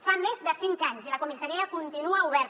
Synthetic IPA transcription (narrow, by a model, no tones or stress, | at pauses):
famezðəsiŋkaɲsilɐkumisaɾiəkunt̪inuauβɛɾ